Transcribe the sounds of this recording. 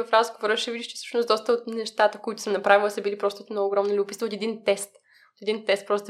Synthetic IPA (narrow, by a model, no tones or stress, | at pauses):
vɐfɾazɡovoɾəʃɛvid̪ʲiʃt͡ʃɛ̥sə̥ʃnʊsd̪ɔst̪əot̪nɛʃt̪at̪əkoit̪ʊ̥səmnɐpɾavilˠsəbilipɾɔst̪ot̪ɛnɔoːɡɾɔmnilʲiʊpisot̪̬ɛd̪int̪ɛst̪ | ot̪ɛd̪int̪ɛst̪̚pɾɔst̪